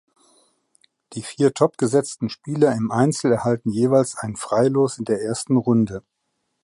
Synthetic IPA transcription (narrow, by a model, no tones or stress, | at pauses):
d̥iːfiːɐtʰɔpɡ̥əzɛt͡stn̩ʃpiːlɐɪmʔaɪnt͡sl̩ɛɐhaltn̩jeːvaɪlsʔaɪnənfʁ̥aɪloːsɪndeːɐʔeːɐstn̩ʁʊndə